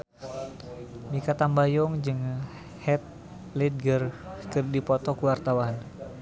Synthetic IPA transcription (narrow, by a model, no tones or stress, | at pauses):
mikat̪ambajɔŋd͡ʒɨŋ | hɛt̪̚ | lid̪̚ɡərkərdipɔt̪ɔkuwart̪awan